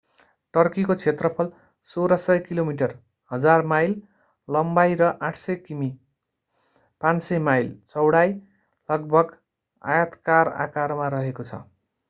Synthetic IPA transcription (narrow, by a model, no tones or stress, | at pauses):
ʈʌrkikot͡sʰet̪rʌpʰʌl | soɾʌsʌjkilomiʈ̬ʌr | hʌd͡zarmajl | lʌmbajɾʌʔaʈʰsʌjkimi | pansʌjmajlt͡sʌwɽaj | lʌɡ̚bʱʌɡ | a̰jat̪kara̰karmaɾʌɦekot͡sʰʌ̰